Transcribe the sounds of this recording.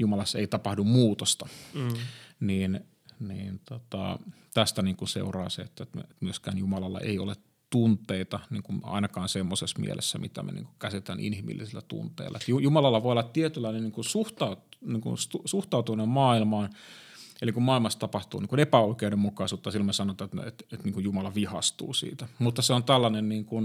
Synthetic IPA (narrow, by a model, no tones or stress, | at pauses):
jumɑlɑsːeit̪ɑpɑhdummuːt̪ost̪ɑ | niːn | niːnt̪ot̪ɑ̰ | t̪æst̪æniːŋkunsḛurɑ̰ːseːet̪ːæt̪meet̪myøskæ̰ːnjumɑlɑlːɑ̰ʔḛio̰let̪ | unt̪ˑeit̪ɑniːŋkumɑ̰inɑkɑːnsemːosesmḭḛlḛsːæmit̪æ̰mḛnḭːŋku̥kæsit̪ænʔḭnhimḭlːisilːæt̪ṵnt̪ḛilːʔɑ̰et̪jujumɑlɑlːɑʋoˑiolːɑt̪t̪iet̪ylːɑinenniːŋkunsuht̪ɑut̪niːŋkṵnstusuht̪ɑut̪unemmɑːilmɑːn | elikummɑːˑilmɑst̪ɑpɑht̪ṵːniːŋkunepæoikeudemmukɑisuːt̪ːɑsilːomesɑnot̪ːˑɑt̪ḛt̪et̪niːŋkujumɑlɑʋihɑst̪ṵːsḭːt̪æmut̪ːɑseont̪ælːɑnenniːŋkun